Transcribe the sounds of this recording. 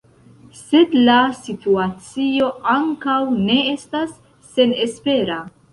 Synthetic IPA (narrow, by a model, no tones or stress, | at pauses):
se̞dlasituat͡sio̞ʔaŋkawne̞e̞stasː | e̞ne̞spe̞ɾa